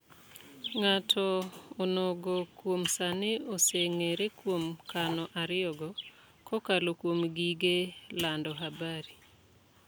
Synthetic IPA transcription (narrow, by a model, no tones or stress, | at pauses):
ŋatʰɔːnoɡɔkwomsaneoseŋeɾekwomkanɔʔaɾɪɔɡɔ | kɔkalokwomɡiɡelandɔɦabaɾi